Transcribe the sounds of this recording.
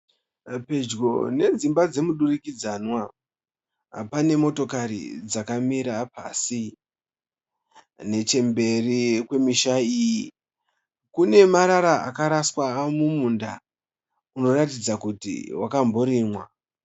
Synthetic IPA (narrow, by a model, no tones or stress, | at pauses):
pe̞d͡ʒɡo̞̰ne̞d͡zimbad͡ze̞muɗurikid͡zanwa | pane̞mo̞to̞kaɾḭd͡zakamiɾapʰa̰si | ne̞t͡ʃe̞mbe̞rikwe̞miʃaiːji | kune̞maɾaɾaa̰kaɾaswamumunda | uno̞ratid͡zakutḭwʔakambo̞ɾimwa